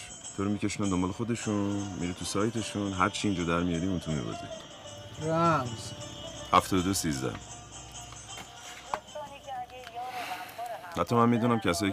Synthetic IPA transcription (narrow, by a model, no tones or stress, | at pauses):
t̪ʰoɾumiceʃunænd̪ombɒːlexod̪e̞ʃumḭɾit̪ʰusɒːjt̪ʰe̞ʃunɦæɾt͡ʃʰiːnd͡ʒɒːd̪æɾmijɒɾiunt̪ʰumḭbo̰zḭ̥ | ɾæmzhæft̪ɒːd̪od̪osiːzd̪æ̰h | hæt̪ʰːɒmænmiːd̪unæmcʰæsɒːji